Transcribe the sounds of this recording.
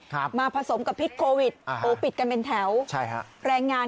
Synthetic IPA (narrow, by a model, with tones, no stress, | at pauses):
maː˧pʰa˧so˩˦mka˨˩pʰːi˦˥t̪̚kʰoː˧wi˨˩t̪̚ʔoː˨˦˥pi˨˩t̪̚ka˧npe˧nt̪ʰɛ˩˦wt͡ɕʰa˥˩jkʰa̰˦˥ɾɛː˧ŋːaː˧